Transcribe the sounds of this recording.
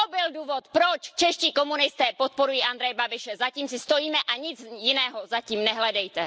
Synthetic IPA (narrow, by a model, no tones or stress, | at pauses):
obɪlduːvot̪pɾot͡ʃt͡ʃɛʃciːko̞munɪst̪ɛːpot̪̚po̞ɾujiːʔand̪ɾɛjɛbabɪʃɛzaciːmsɪst̪o̞jiːmɛʔaɲɪt͡sjɪnɛːɦozaciːmnɛɦlɛdɛjt̪ɛ